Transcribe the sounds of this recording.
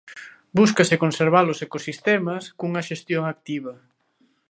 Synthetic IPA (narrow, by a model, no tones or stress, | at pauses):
buskɐsɪkonseɾβ̞alosekosist̪ɛmɐskuŋɐʃest̪joŋak̚t̪iβ̞ɐ